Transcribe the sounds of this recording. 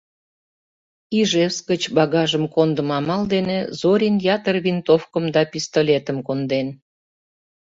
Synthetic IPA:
iʒeskət͡ɕbɑɣɑʒəmkond̪əmɑmɑld̪enezoɾʲinjɑt̪ərβint̪ofkəmd̪ɑpʲist̪olʲet̪əmkond̪en

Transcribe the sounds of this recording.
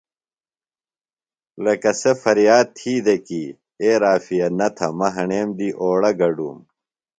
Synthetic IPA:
lɐkɐsefɐɾjaːd̪̚t̪ʰiːd̪eki | eːɾaːfijɐnɐt̪ʰɐmɐɦɐɳeːmd̪iːʔoːɽɐɡɐɖṵːm

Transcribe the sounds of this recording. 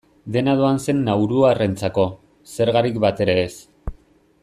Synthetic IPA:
d̪e̞naðoanse̞nːawɾuarent͡sako̞ | se̞ɾɣaɾikbat̪e̞ɾe̞ːs

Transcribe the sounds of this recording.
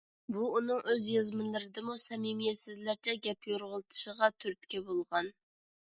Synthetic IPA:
buunɨŋʔøzjɑzmɨnlˠɨɾɪd̪ɨmusɛmimijɛt̪sɪzlæɾt͡ʃʰɛɡʲɛpjoɾʁəlˠt̪ʰɨ̥ʃəʁɑt̪ʰyɾt̪kʲɛbolˠʁɑn

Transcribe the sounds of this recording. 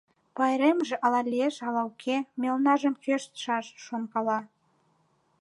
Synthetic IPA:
pɑjɾemʒĕʔɑlɑlʲieʃɑlɑwkʰemʲelnɑʒə̆mkøʃt̪ʃɑʃʃonkɑlɑ

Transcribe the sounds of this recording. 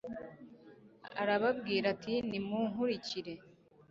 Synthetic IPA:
a̰ɾaβab̚ɡiːɾatinimuŋuɾiciɾe̞

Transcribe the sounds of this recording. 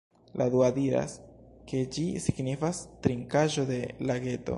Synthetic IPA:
lʔaduadiɾa̰ske̞d͡ʒisiɡnifastɾiŋkaʒo̞de̞laɡe̞to̞̰

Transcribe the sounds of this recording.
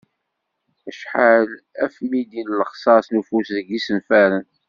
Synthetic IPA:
æʃħal | æfmid̪inləχsˤɑsnufusðəɡisənfæɾən

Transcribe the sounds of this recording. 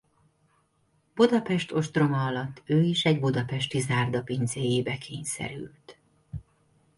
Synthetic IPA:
b̥ud̪ɒpɛʃt̪o̞ʃt̪ro̞mɒɒlɒt̪ːøːiʃɛɟbud̪ɒpɛʃt̪izaːrd̪ɒpinzeːjeːbɛkʰeːɲsɛ̰ɾy̰lt̪

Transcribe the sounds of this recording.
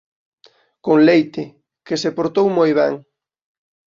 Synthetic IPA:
koŋlejt̪ɪ | kesepoɾt̪owmojβɛ̰ŋ

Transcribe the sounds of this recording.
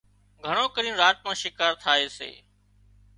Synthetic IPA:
ɡʱəɳ̃oːkəɾĩːnɾaːt̪̚mãːʃɪkaːɾt̪ʰaːeːsḛː

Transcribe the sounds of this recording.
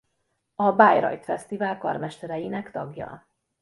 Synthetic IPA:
ɒbaːjɾɒ̰jt̪fɛst̪ivaːlkɒ̰rmɛʃt̪ɛɾɛjinɛkt̪ɒɡjɒ̰

